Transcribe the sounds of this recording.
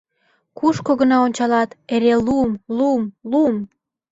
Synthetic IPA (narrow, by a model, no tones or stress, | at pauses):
kuʃkoɣə̆nɑonʲt͡ɕɑlɑt̪eɾeluəmlumluəm